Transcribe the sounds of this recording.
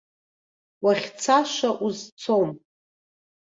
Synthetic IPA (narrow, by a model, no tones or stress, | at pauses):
waχʲt͡sʰaʃʷaʔuzt͡sʰom